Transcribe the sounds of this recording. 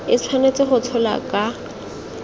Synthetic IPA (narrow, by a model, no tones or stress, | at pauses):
ɪt͡sʰwanet͡sɪχʊt͡sʰɔla̰kʼa